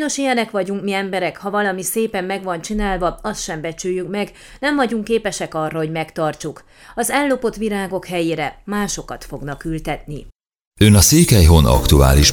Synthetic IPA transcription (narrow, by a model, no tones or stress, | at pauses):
jno̞ʃijɛnɛkʋɒɟuŋkmiɛmbɛɾɛkhɒvɒlɒmiseːpɛmːɛɡʋɒnt͡ʃinaːlvɒɒst̪ʃɛmbɛt͡ʃyːjːykmɛɡ | nɛɱvɒɟuŋkːeːpɛʃɛkɒrːɒɦo̞ɟmɛkt̪ɒrt͡ʃuk | ɒzɛlːo̞po̞t̪ʋiɾaːɡo̞khɛjeːɾɛmaːʃo̞kɒt̪fo̞ɡnɒkylt̪ɛt̪ni | ønɒseːkɛjɦo̞nɒ̰kt̪ua̰ːliʃ